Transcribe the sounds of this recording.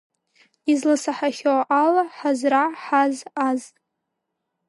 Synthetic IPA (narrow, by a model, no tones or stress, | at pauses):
izlasaħaχʲoʔalaħazraħazaz